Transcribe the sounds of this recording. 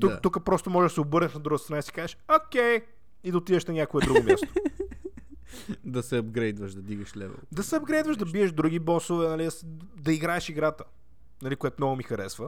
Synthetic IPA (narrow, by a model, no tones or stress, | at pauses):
t̪ut̪ukəpɾɔst̪omɔʒɛʒɐsɛobəɾnɛʃnɐd̪ɾuɡət̪st̪ɐnaisi̥kazɛʃokʲɛj | id̪ɐot̪idəʃnɐnʲakoɛd̪ɾuɡʊmʲa̰st̪o̥ | d̪ɐsɛɐbɡɾɛjd̪vəʃd̪ɐd̪iɡəʃlɛ̰vo̰d̪ɐsɛɐbɡɾɛjd̪vəʃd̪ɐbiɛʃd̪ɾuɡʲibɔsovɛnɐlid̪ɐs | d̪ɐiɡɾaɛʃiɡɾat̪ə̥ | nɐlikoɛt̪ʊmnɔɡʊmixɐɾɛsvə